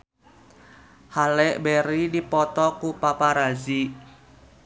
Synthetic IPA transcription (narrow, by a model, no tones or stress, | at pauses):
halɛʔbɛɾidipɔt̪ɔkupapaɾazi